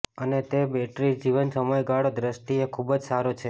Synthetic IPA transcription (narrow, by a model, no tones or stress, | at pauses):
ənet̪ebeʈɾid͡ʒiʋənsəməjɡaɽod̪ɾəsʈiekʰubd͡ʒsaɾot͡ʃʰe